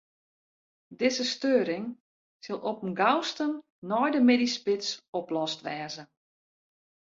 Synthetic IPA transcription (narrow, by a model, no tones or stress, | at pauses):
dɪzəstøːɾɪŋ | sɪlˠɔpəmɡawstən | nɔjdəmedispɪtsɔplɔstʋɛːzə